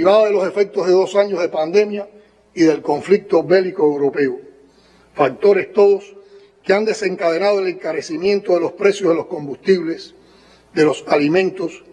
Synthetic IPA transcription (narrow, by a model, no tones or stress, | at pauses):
iβaðaðe̞lo̞se̞fe̞k̚t̪oɦðe̞ðo̞saɲoɦðe̞pand̪e̞mja | iðe̞lko̞ɱflik̚t̪o̞βe̞likoewɾo̞pe̞o | fak̚t̪o̞ɾe̞st̪o̞ðos | keand̪e̞se̞ŋkað̞e̞naðoele̞ŋkaɾe̞simjẽnt̪o̞ðe̞lo̞spɾe̞sjoɦðelo̞sko̞mbust̪iβles | ðe̞lo̞salimẽnt̪os